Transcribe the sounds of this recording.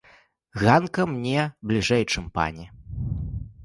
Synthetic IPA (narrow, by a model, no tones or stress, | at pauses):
ɣankɐmnʲɛblʲiʐɛjt͡ʂɨmpa̰nʲɛ